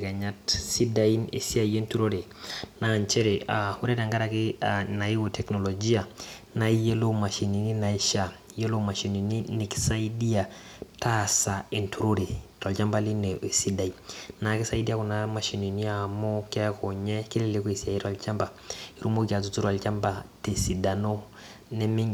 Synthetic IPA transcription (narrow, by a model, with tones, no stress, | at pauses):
ka˨ɲa˦tsi˦da˦ji˦nḛ˨si˦a˨je˦ntu˦ɾo˦ɾe˨na˨ɲt͡ʃe˦ɾe˨a˨wu˦ɾe˦da˨ŋɡa˦ɾa˨ki˦a˨na˨ji˦wo˨te˨kno˨lo˨d͡ʒi˦a˨ | na˦je˦lo˦ma˨ʃi˨ni˨ni˦na˨i˦ʃa˦ | je˦lo˦ma˨ʃi˨ni˨ni˦ni˨ksa˦i˦di˦ja˨ | ta˦sa˨i˨ntʰu˨ɾo˦ɾi˨ta˨lt͡ʃa˦mba˦li˦ne˨si˦da˨i˨na˨ki˦sa˦i˦di˦ja˦ku˨na˦ma˨ʃi˨ni˨ni˦a˨mo˦kɛ˦ko˨ɲɛ˦ki˦le˦˨le˦ko˦i˨si˨a˨ji˦ɾa˨lt͡ʃa˦mba˨ | i˦ɾu˦mo˦ka˨t̬u˨tu˦ɾa˨lt͡ʃa˦mba˨te˨si˨da˨no˦ | nɛ˦mi˦ŋ